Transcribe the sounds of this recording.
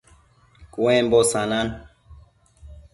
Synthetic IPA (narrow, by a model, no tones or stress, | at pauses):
kʼwẽmbosanan